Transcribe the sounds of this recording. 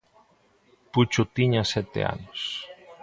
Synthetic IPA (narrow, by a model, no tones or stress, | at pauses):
put͡ʃot̪iɲasɛt̪ḛa̰nos